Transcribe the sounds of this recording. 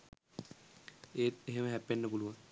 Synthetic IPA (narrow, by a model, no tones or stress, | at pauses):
eːt̪eɦeməɦæpːenːəpuluʋaŋ